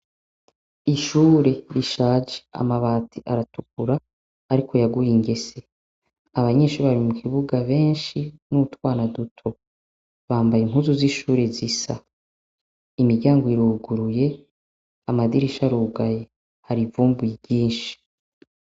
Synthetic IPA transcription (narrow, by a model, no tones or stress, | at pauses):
iʃuːɾe̞ɾiʃaːd͡ʒe̥a̰maβaːtʰiʔaɾatukuɾaː | ɾikʰo̞jaɡujiŋɡe̞se̞ | aβaɲe̞ːʃuːɾβaɾimukʰiβuɡaβe̞ːnʃinuutwaːnadutʰo | βaːmbajiŋ̥huzuziʃuːɾe̞zisa̰ | imiɾɟaːŋɡoiɾuːɡuɾuje̞ | amadiɾiʃaɾuːɡaje | haɾivuːmbujibɟiːnʃi̥